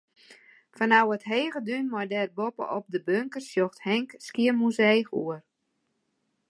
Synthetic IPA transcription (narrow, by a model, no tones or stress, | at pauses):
fanawətɦeːɣədynmɔjdɛrbopə̰ʔɔp̚dəbøŋkərsjoxthɛŋkskiəmuzejxṵər